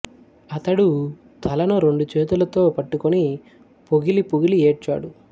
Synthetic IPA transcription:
ɐt̪ɐɽu | t̪ʰɐlɐnuɾe̞ɳɖut͡ʃeːt̪ulɐt̪o̞ːpɐʈːukoni | puɡilipuɡilieːʈ̚t͡ʃːa̰ːɽu

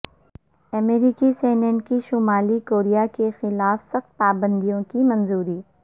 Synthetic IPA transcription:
ɐmeːɾiːkiseːnɛ̃ɳʈkiʃʊmaːlikoːɾijakexɪlaːfsɐxt̪̚paːbə̃nd̪ijõkimɐ̃nzuːɾiː

